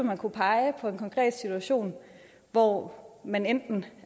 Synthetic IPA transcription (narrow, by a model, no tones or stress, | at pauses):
ɒmænkʰupʰɑ̈ɪpʰɒ̽e̝nkʰɒ̽ŋkʰʁɛ̰ːd̥sit͡sʰuæɕo̝̰ːn | ʋɒmænend̥n̩